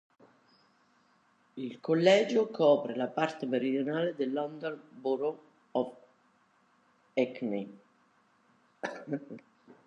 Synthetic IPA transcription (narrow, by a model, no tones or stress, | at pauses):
ilkolːɛːd͡ʒokʰɔːpɾelapart̪emeɾid̪jonaːled̪elːɔnd̪onbuɾo | ɔf | ɛkne